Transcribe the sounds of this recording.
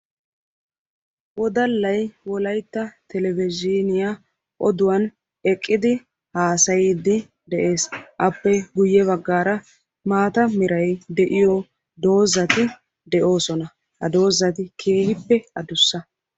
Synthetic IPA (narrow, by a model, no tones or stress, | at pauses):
wɔd̪ɐlːɐjwɔlɐjt̪ːɐt̪ɛlɛvɪd͡ʒɪnɪja | ʔɔd̪ʊwɐn | ɛkʼːɪd̪ɪ | haːsɐjiːd̪ɪ | d̪ɛʔe̞ːsʔɐpːɛɡʊjːɛβɐɡːaːɾɐ | maːt̪ɐmɪɾɐjd̪ɛʔɪjɔ | d̪o̞ːzɐt̪ɪ | d̪ɛʔo̞ːsɔnɐ | hɐ̰d̪o̞ːzːɐt̪ɪkʰe̞ːhɪpːɛɐd̪ʊsːɐ